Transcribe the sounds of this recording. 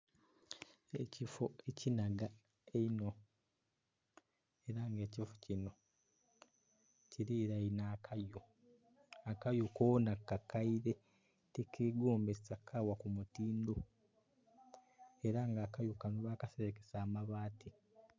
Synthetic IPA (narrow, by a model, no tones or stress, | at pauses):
ecifoecinaɡa | eino | eɾaŋɡe̞ːcifo̥cino̞ | ciɾiɾainaːkʰajo | akajukoːnakːakaiɾe̞ | tekʰeɡoːmbesakʰːawakumutiːndo̞ | e̞ɾaŋɡaːkajukanoβaːkaseβekesaːmaβaːti